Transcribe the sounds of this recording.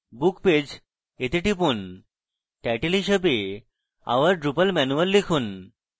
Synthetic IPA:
bukped͡ʑ | et̪eʈipun | ʈɛʈelɦiʃəbe | a̰ʋəɾɖɾupəlmɛnuəlːikʰun

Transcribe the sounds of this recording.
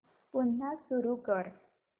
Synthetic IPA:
pun̤ːasuɾukəɾ

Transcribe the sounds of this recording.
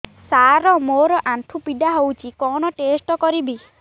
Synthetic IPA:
saɾɔmoɾɔʔanʈ̪ʰupiɖ̪aɦowt͡ʃʰikɔñɔʈesʈɔkɔɾibi

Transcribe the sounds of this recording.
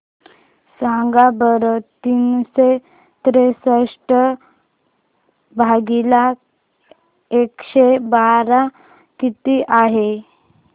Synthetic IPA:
sãŋɡabəɾət̪ːiːnse | t̪ɾesəʂʈə | bʱaɡila | ekɕebaɾa | kit̪iʔaɦe

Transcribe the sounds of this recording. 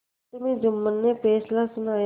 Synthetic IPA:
t̪əmẽːd͡ʒʊmːənːepeːslasʊnaːj

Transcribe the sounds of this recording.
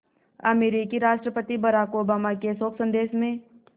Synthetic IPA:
ɐ̰meːɾikiɾaːʃʈɾəpət̪ibɐɾaːkoːbaːmakesoːksə̃nd̪eːʃmẽ

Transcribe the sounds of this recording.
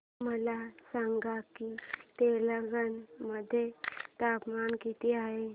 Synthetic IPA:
məlasaŋɡakit̪eləɡənməd̪ʱːjet̪apmankit̪iːaɦe

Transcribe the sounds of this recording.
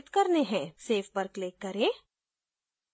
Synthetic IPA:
t̪kɐɾneɦɛ̃seːfbɐɾkleːkːɐɾẽː

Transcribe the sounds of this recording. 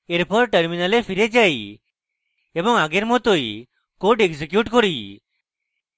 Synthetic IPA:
eɾpʰɔɾʈəɾminalepʰiɾed͡ʒaj | ebɔŋaɡeɾmɔt̪oj | koɖekd͡ʒekjuʈkɔɾi

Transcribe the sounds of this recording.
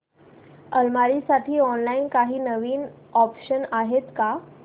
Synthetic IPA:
əlmaɾisaʈʰiːɔnlainkaɦiːnəʋiːn | ɔpɕənaɦet̪ka

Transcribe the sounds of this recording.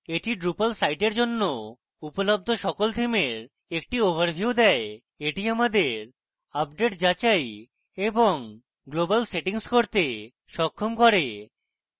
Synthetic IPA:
eʈiɖɾupalsajʈeɾd͡ʑonːo | upolob̚d̪ʱoʃɔkolt̪ʰimeɾ | ek̚ʈioβaɾbʱjud̪ɛe | eʈiamad̪eɾ | abɖeʈd͡ʑat͡ɕaj | eboŋ | ɡlobalseʈiŋskoɾt̪e | ʃɔkʰːomkɔɾe

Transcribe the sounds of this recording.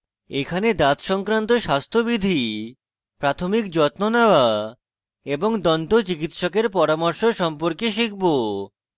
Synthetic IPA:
ekʰaned̪at̪ʃɔŋkɾant̪oʃast̪ʰobid̪ʱi | pɾat̪ʰomikd͡ʑɔt̪nonawa | eboŋd̪ɔnt̪ot͡ɕikit̪ʃɔkeɾpɔɾamoɾʃoʃɔmpoɾkeʃ̬ik̚ʰbo

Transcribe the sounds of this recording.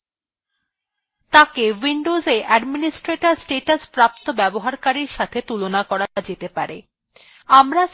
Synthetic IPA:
t̪akewiɳɖozeʔɛɖminisʈɾeʈaɾsʈeʈaspɾap̚t̪obɛboɦaɾkaɾiɾʃat̪ʰet̪ulonakɔɾad͡ʑet̪epa̰ɾe | amɾa

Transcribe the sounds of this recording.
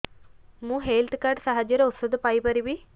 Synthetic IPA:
mũːɦeːlt̪ʰkaːɾɖsɐɦɐd͡ʒjɐɾuosɐd̪upɐjbɐɾiʋi

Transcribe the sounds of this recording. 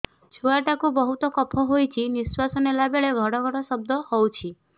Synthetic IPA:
t͡ʃʰuaɾʈakubɔɦut̪ɔkɔpʰɔɦojt͡ʃʰiniswasɔnelabeɭebʱɔɽɔɡʱɔɽɔsɔb̚d̪ɔhɔwt͡ʃʰi

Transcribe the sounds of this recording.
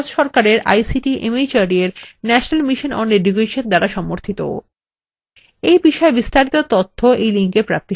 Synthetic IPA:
t̪ʃɔɾkaɾeɾa̰jsiʈiʔemid͡ʑaɾieɾnɛʃonalmiʃonɔ̰neɖuɡeʃend̪aɾaʃɔmoɾt̪ʰit̪o̰ | ejbiʃɔebist̪aɾit̪ot̪ot̪ʰːoʔejliŋkepɾak̚t̪i

